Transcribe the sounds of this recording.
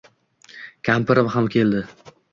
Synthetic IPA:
kʲʰampɪɾɪmɦamkʰʲe̞ld̪ɪ

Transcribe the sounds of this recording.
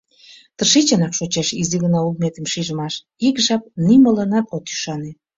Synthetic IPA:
t̪ərʃit͡ɕɑnɑkʃot͡ɕeʃiziɣənɑulmet̪əmʃiʒəmɑʃ | ikʒɑp̚nimələnɑt̪ot̪y̥ʃɑne

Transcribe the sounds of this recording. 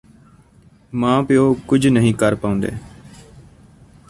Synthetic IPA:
mãːpɪjoːkʊd͡ʒʱnəɦĩːkəɾpaːʊ̃ːnd̪ḛː

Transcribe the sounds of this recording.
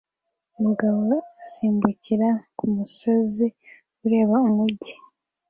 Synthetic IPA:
omuɡaβoasiːmbuciɾakumuso̞zi | uɾe̞ːβaomuɟi

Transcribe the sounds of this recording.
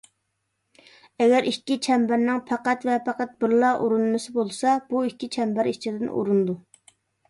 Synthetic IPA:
ɛɡʲɛɾʔikʲːit͡ʃʰɛmbæɾnɪŋpʰæqæt̪vɛpʰæqæt̪̚bɪɾlˠɑʔuɾunmɨsɪbolˠsɑb̥uikʲːit͡ʃʰɛmbæɾit͡ʃʰid̪ɪnṵɾund̪u

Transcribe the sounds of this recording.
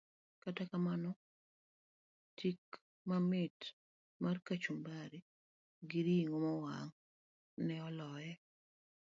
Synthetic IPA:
katakamanɔ | tʰik | mamɪt | markat͡ʃumbaɾi | ɡiɾiiŋomɔwaŋ | nɛɔlɔjɛ

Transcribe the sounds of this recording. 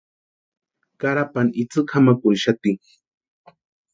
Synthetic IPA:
kaɾapanɪt͡sɨkhamakʊnʃat̪ɪŋ

